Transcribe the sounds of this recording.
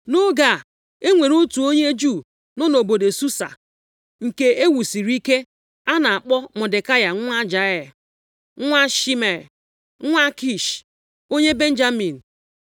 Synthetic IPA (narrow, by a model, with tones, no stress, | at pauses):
no˦ɡa˨ | e˦ŋʷe˨ɾu˦tu˨o˦ɲe˦d͡ʒu˦˨ | nɔ˦no˨bo˨de˨su˦sa̰˨ | ŋ̩˨ke˨e˦wu˨si˨ɾi˦ke˦ | a˦na˨a˨k͡pɔ˦mʊ˨de˨ka˦ja˨˦a˦d͡ʒa˨ɛ˨l | ŋʷa˦ʃi˦me˨l | ŋʷa˦ki˨ʃ | o˦ɲe˦be˦n̩˦d͡ʒa˦mi˨n̩˨